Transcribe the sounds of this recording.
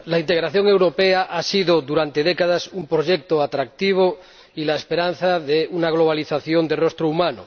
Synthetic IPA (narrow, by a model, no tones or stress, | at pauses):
laint̪eɣ̞ɾaθjoŋe̞wɾopeaʔasiðoðuɾant̪e̞ðekaðasumpɾoʒek̚t̪oat̪ɾak̚t̪iβ̞o | ilaespeɾan̟θaðeunaɣ̞loβ̞aliθaθjond̪erost̪ɾoumãno